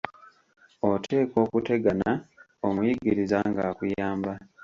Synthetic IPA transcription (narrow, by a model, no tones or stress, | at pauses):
otʰe̞ːko̞ːkute̞ɡana | omujiɡiɾizaŋɡaːkujaːmba